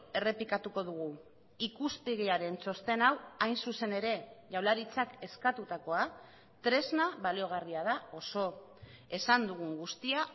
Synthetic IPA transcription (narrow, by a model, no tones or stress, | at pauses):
e̞re̞pikat̪uko̞ð̞uɣ̞u | ikust̪eɣeaɾe̞nso̞st̪e̞nawajnsuse̞ne̞ɾe̞ʝawlaɾit͡sake̞skat̪ut̪ako̞a | t̪ɾe̞znaβalio̞ɣ̞ariaðao̞so̞ | e̞sand̪uɣ̞uŋɡust̪ia